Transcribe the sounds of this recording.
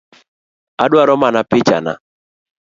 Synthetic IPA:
a̰dwaɾɔmanapɪt͡ʃa̰na̰

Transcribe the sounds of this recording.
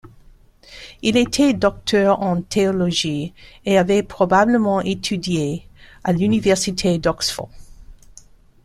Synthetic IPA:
ilet̪ʰɛdɔk̚t̪ʰœʁɑ̃t̪ʰeɔlɔʒieavɛpχɔbabləmɑ̃ʔet̪ʰydjealynivɛʁsitʰedɔksfɔ̰

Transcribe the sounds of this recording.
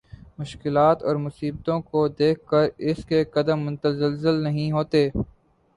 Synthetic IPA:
mʊʃkɪlaːt̪ɔːɾmʊsiːb̚t̪õkod̪eːkʰkːəɾɪskekɐd̪əmːʊ̃nt̪əzəlzəlnɐɦĩɦoːt̪eː

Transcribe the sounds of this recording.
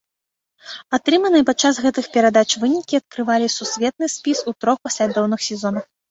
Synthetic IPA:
at̪ɾɨmɐnɨjpat͡ʂːasɣɛt̪ɨxpʲɛɾad̪at͡ʂvɨnʲikʲiɐt̪̚kɾɨvalʲisusʲvʲɛt̪̚nɨsʲpʲisut̪ɾɔxpasʲlʲad̪ɔwnɨxsʲɛzɔnɐx

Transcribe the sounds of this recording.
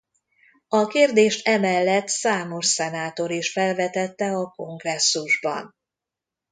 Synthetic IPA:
ɒkeːrd̪eːʃt̪ɛmɛlːɛt̪saːmo̞ʃsɛnaːt̪o̞ɾiʃfɛlvɛt̪ɛt̪ːɛɒko̞ŋɡrɛsːuʒbɒ̰n

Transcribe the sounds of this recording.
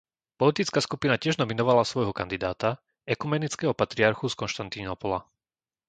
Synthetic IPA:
pɔlit̪it͡skaːskupinacɪɛʒnɔminɔʋalasʋɔjɦɔkand̪id̪aːt̪a | ɛkumɛnit͡skɛːɦɔpat̪ɾiaɾxuskɔnʃt̪ant̪inɔpɔla

